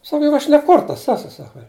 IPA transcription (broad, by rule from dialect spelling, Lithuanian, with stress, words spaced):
ˈsɑːkɐ jʊk ˈɐʃ nʲɛ ˈkʊrtɐs ˈæːsʊ ˈsɑːkɐ